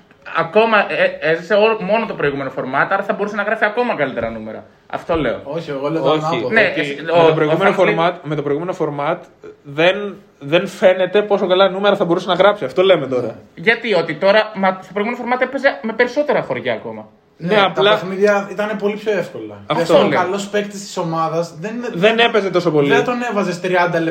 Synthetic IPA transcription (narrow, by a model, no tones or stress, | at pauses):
ɐko̞mɐʔeezise̞olmo̞not̪o̞pɾo̞iɣume̞nofo̞ɾmɐt̪ɐɾɐθɐbo̞ɾuse̞nɐɣɾɐfiɐko̞mɐkɐlit̪e̞ɾɐnume̞ɾɐ̰ | ɐ̰ft̪o̞le̞̰o̞̰oçieɣoleooçinemt̪opɾoiɣumenofomɐt̪me̞t̪o̞pɾiɣumeno̞fo̞ɾmɐt̪ | ðen | ðe̞nfe̞ne̞t̪e̞po̞so̞kɐlɐnume̞ɾɐθɐbo̞ɾusenɐɣɾɐpsiɐft̪o̞le̞met̪o̞ɾɐ̰ʝɐt̪io̞t̪it̪o̞ɾɐmɐst̪o̞pɾoiɣumenofo̞ɾmɐt̪epezeme̞pe̞ɾiso̞t̪e̞ɾɐfo̞ɾʝɐːko̞mɐ | nneɐplɐɐmiðjɐit̪ɐnepo̞lipço̞efko̞lɐɐftolɐlospek̚t̪ist̪i̥so̞mɐðɐzðenðenepe̞zet̪o̞so̞po̞liet̪one̞vɐzest̪ɾiɐnd̪ɐle